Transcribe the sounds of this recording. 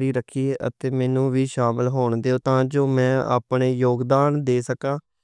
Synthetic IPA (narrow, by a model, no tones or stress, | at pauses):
ɾiːɾəkʰieːʔə̰t̪eːmɛːnũːʋiːʃaːməlɦoːɳd̪eːoːt̪ãːd͡ʒoːmɛ̃ːa̰ːpɳeːjoːɡd̪aːnd̪eːsəkãː